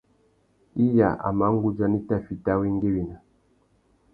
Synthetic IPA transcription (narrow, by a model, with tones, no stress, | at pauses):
i˦ja̰˨ʔa̰˨ma˨˦ŋ˦ɡu˦d͡ʒa˦ni˦ta˦fi˨ta˦wi˦ŋ˦ɡe˦wi˨na˨